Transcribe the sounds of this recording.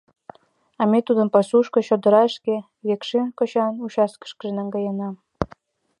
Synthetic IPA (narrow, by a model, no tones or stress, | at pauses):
ɑmet̪ud̪əmpɑsuʃkŏɕod̪ə̆ɾɑəʃke | βekʃenkot͡ɕɑnut͡ɕɑskə̥ʃkə̆ʒenɑŋɡɑjənɑm